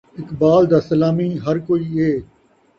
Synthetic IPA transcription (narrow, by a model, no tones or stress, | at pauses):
ɪkbaːld̪aːsəlaːmiːɦɐɾkoːiːeː